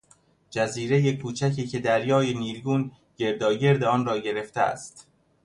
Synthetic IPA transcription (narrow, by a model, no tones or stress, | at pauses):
d͡ʒæziːɾe̞jekʰuːt͡ʃʰæcʰiːcʰe̞d̪æɾjɒːjeniːɾɡuːn | ɟe̞ɾd̪ɒːɟe̞ɾd̪eɒːnrɒːɟe̞ɾe̞ft̪ʰeæ̰st̪